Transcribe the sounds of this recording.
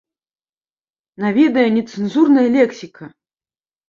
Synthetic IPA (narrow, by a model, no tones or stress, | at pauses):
navʲɛd̪ɐjɐnʲɛt̪sɨnzurnɐjɐlʲɛksʲikʰɐ